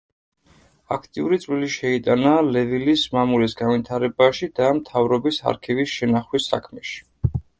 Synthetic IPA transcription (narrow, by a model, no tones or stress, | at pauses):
akʰt̪ʼiuɾit̪sʼwiliʃɛit̪ʼanalɛvilismamulisɡanvit̪ʰaɾɛbaʃid̪amt̪ʰavɾɔbisa̰ɾkʰivisʃɛnaχwisːa̰kʰmɛʃi̥